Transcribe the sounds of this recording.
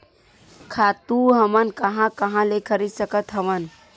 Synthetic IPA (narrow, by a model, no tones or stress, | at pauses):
kʰat̪uɦəmənkəɦãkəɦãlekʰəɾid̪səkət̪ɦəmən